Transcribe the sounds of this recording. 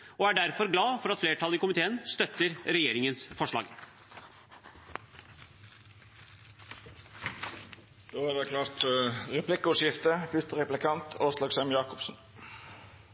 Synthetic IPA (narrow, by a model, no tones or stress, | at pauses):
ɔæɖæɾfɔɾɡlɑːfɔɾɑt̪fleːʈʰɑləɪkʊmɪt̪ʰeːənst̪œt̪ːəɾɾɛjeːɾɪŋənsfɔʂɭɑ̰ːɡ | d̪̥oːæɾdɛkʰlɑːɾt̪ɾɛpʰlɪkːəʊʂjɪft̪əfʏst̪əɾɛplɪkʰɑnt̪ʰoːslɑːɡsɛmjɑːkɔpsn̩